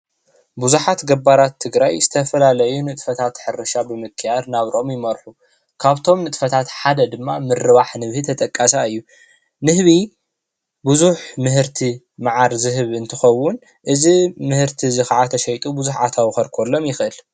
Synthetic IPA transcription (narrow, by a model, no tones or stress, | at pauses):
buzuħat̪ɡɐbaɾat̪ʰːɨɡɾajz̥ɨt̪ʰɐfɐlalɐjunɨt̪ʼfɐt̪ʰat̪ħɨɾɨʃabɨmɨkʰːɨjad̪naβɾo̞mjɪmɐɾħu | kʰaβt̪ʰo̞mnɨt̪ʼfɐt̪ʰat̪ħad̪ɐd̪ɨmːamɨrɨβaħnɨβhit̪ʰɐt̪ʼɐkʼːasaɨjːu | nɨhβi | buzuħmɨɦɨɾt̪ʰi | maʕaɾzɨɦɨβɨnt̪ʰɨxɐwːʊn | ʔɨzimɨhɨɾt̪ʰizɨxaʕat̪ʰɐʃɐjt̪ʼubuzuħat̪ʰawxɐɾkʰolːo̞mjɪxʔɨl